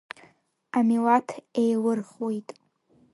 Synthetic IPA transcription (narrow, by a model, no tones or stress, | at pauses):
amilatʰejlɨrχwojtʼ